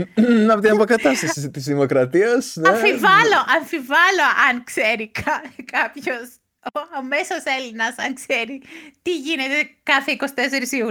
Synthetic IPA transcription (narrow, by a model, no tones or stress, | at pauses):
ɐot̪inɐpokɐt̪ɐst̪ɐsisit̪izðimo̞kɾɐt̪iɐsnɐefivɐlo̞ʔɐɱfivɐloʔɐŋkse̞ɾikɐkɐpço̞s | oɐme̞sose̞linɐsɐŋkseɾit̪iʝine̞t̪ekɐθeiko̞si̥t̪e̞s̬eɾisiu